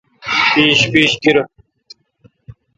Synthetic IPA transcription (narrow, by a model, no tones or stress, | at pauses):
piːɕpiːɕkiɾ